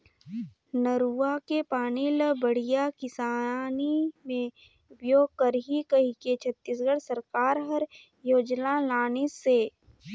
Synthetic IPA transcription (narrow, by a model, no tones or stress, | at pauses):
nəɾuakepaːniləbəɽ̤ijakɪsaːnimẽ | bjoːɡ̚kəɾɦikəɦiket͡ʃʰət̪ːiːs̬ɡəɽsəɾkaːɾɦəɾ | joːd͡ʒnalaːnese